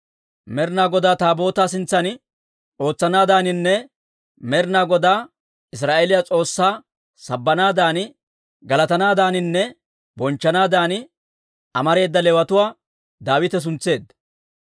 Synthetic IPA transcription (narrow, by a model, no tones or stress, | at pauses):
mɛɾɪnaːɡɔd̪aːt̪aːbo̞ːt̪aːsɪnt͡sːɐnɪ | o̞ːt͡sːɐnaːd̪aːnɪnːɛ | mɛɾnaːɡɔd̪aː | ɪs̬ɾaːʔelɪjat͡sʼo̞ːsːaː | sɐbːɐnaːd̪aːnɪ | ɡɐlɐt̪ɐnaːd̪aːnɪnːɛ | bɔnt͡ʃːɐnaːd̪aːnɪ | ɐmɐɾe̞ːd̪ːɐlɛwɐt̪ʊwaː | d̪aːwɪt̪ɛs̬ʊnt͡sːe̞ːd̪ːɐ